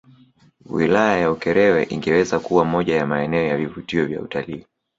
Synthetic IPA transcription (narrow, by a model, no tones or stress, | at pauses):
wilajajaukɛɾɛwɛʔiŋɡɛwɛzakuwamɔʄajamaɛnɛɔjavivutiɔvja̰ṵtaliː